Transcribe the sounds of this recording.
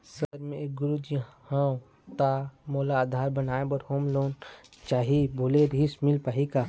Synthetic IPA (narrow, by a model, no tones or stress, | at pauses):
səɾmẽɡʊɾud͡ʒhã | t̪amoːlaːd̪ʱaːɾbənaːẽbəɾhoːmloːnt͡ʃaːɦibʱoːleɾismɪlpaːɦikaː